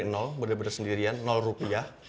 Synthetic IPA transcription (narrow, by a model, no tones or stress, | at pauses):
nɔlbərdebədasəndiɾianːɔlrupiah